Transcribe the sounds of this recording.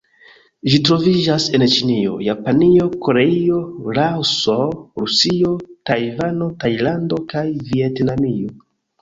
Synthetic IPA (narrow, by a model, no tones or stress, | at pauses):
ʒitɾo̞vid͡ʒase̞nt͡ʃinio̞̰japanio̞ko̞ɾe̞io̞ɾawsoɾusio̞tajvano̞tajlando̞kajvietnamio̞